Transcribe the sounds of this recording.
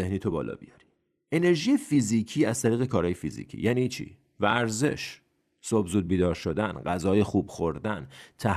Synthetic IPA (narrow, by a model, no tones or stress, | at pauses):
ehniːt̪ʰobɒ̰ːlɒ̰ːbijɒɾi̥ | ʔe̞ne̞ɾʒiːjefiziːcʰiːæzt̪ʰæɾiːɣe̞kʰɒːɾɒːje̞fizḭːcʰḭjæːnit͡ʃʰḭː | væːɾze̞̰ʃ | sobzuːd̪̚biːd̪ɒːɾʃo̞d̪ænɢæzɒːjexuːbxoɾd̪ænt̪ʰæ